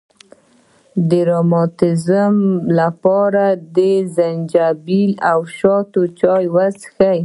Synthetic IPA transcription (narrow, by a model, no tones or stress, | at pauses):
d̪əɾɑmɑt̪ɪzəmlapɑɾad̪əzand͡ʒabilawʃɑt̪ot͡ʃɑjwasxaj